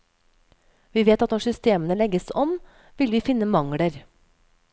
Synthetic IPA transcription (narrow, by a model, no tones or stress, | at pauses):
ʋiːʋeːt̪ɑt̪nɔʂʏst̪eːmənəlɛɡəsɔm | ʋɪlʋiːfɪnːəmɑŋɽəɾ